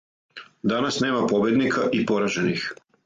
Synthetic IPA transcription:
d̪anasne̞ːmapo̞bje̞d̪nikʰaʔipo̞ɾaʒenix

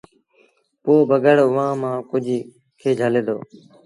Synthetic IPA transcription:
poːbəɡəɽʊʋãːmãːkʊd͡ʒʱ | kʰeːd͡ʒʱəleːd̪o̰ː

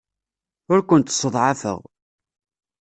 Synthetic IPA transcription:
ʊɾkʷʊənt̪sˤːəðˤʕafə̰ʁ

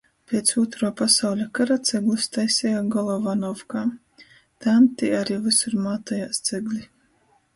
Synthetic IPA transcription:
pʲet̪suɔt̪ɾuːpasawlʲakaɾat̪sʲɛɡlˠust̪ajsʲɛjaɡɔlˠɔvanɔvkaː | t̪amt̪iaɾiːvɨsuɾmaːt̪ajaːst̪sɛɡlʲi

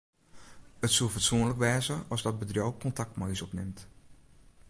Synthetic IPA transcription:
ətsulˠfɔtsuənləkʋɛːzəɔzdɔd̚bədrjowkʰɔntak̚tmɔjsɔpnɪmt

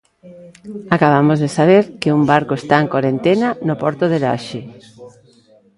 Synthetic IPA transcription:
akaβ̞amozðesaβ̞eɾkɪumbaɾkoest̪aeŋkwaɾent̪enanopɔɾt̪oðela̰ʃɪ

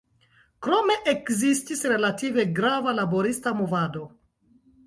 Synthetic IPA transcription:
kɾo̞me̞ʔekzistisɾe̞lative̞ɡɾavalabo̞ɾistamovado̞

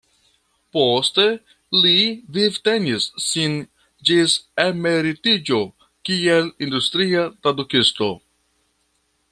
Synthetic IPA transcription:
poste | livivte̞nisːin | d͡ʒiseme̞ɾitid͡ʒo̞ | kielindustɾiatɾadukisto̞

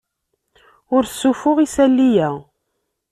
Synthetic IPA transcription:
ʊɾsːufʊʁisælːijæ

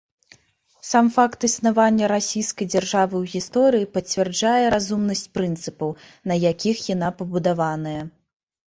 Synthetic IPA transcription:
samfakt̪ɨsnavanʲːɐɾasʲijskɐjd͡zʲarʐavɨwɣʲist̪ɔɾɨjipɐt͡sʲvʲɛrd͡ʐajɛɾazumnɐsʲt͡sʲpɾɨnt̪sɨpɐw | nɐjakʲixjan̪apɐbud̪avanɐjɐ

